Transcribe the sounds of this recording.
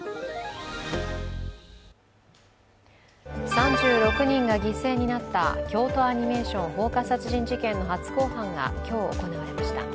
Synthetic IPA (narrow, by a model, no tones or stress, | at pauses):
sãɲd͡ʑɨːɾo̞kɯ̟ɲ̟ĩŋɡaɡʲise̞ːɲ̟inat̪ːakʲo̞ːt̪o̞aɲ̟ime̞ːɕõ̞ŋho̞ːkasat͡sɨʑĩɲ̟d͡ʑikẽ̞nːo̞ɦat͡sɨ̥ko̞ːhãŋɡa̰kʲo̞ːo̰ko̞naβaɾe̞maɕi̥t̪a̰